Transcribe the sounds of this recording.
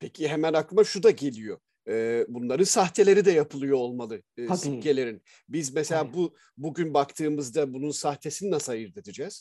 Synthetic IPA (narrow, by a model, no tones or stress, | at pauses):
pʰecʰiɦemænaklˠɯmaʃud̪aɟe̞lʲijo | ɛːbunlˠaɾɯnsaht̪ʰe̞lʲe̞ɾid̪ɛjapʰɯlˠɯjoolˠmalˠɯːsiɟe̞lʲe̞ɾin | bizmɛselʲaːbu | buɟynbakt̪ʰɯːmɯzd̪abununsaht̪ʰe̞sininasajɯɾd̪ed̪id͡ʒɛːz̥